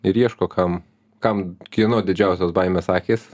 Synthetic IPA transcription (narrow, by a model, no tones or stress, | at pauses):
ɪɾiɛʃkoːkʰɐm | kɐmkʲinoːd̪ʲɪd͡ʒʲɛʊsʲoːsbɐɪmʲeːssɑːkʲeːs